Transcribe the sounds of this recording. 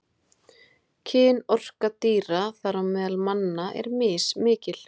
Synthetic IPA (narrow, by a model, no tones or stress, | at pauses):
cʰɪːnɔr̥kat̪iːɾaθaɾawmɛːðalmanːaʔɛ̰ɾmɪːsmɪːcɪl̥